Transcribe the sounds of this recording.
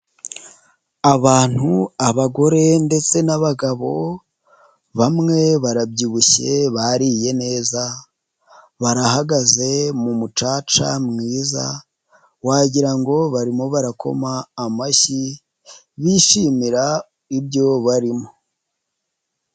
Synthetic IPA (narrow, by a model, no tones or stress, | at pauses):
aβaːn̥huaβaɡo̞ɾe̞nde̞t͡se̞naβaɡaβo̞ | βamŋe̞βaɾabɟiβuçe̞βaɾije̞ne̞ːza | βaɾahaɡaze̞mumut͡ʃaːt͡ʃa̰mŋiːza̰ | waɟiɾaŋɡo̞βaɾimoβaɾako̞̰maːmaʃi | βiːʃiːmiɾa | ibɟo̞βaɾimo